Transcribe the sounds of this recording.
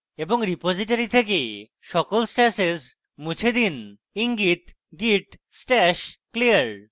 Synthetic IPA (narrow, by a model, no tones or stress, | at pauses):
eboŋɾipod͡ʑiʈaɾit̪ʰeke | ʃɔkolsʈɛsez | mut͡ɕʰed̪in | iŋɡit̪ | ɡiʈ | sʈɛʃkliaɾ